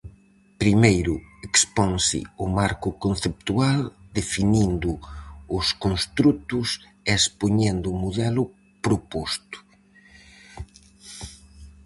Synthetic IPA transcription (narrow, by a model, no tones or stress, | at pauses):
pɾimejɾʊekspɔŋsɪ̰ʊmaɾkʊkonθep̚t̪uald̪efinind̪ʊʊskonst̪ɾut̪ʊs | espoɲɛnd̪ʊmoðɛlʊ | pɾopost̪ʊ̥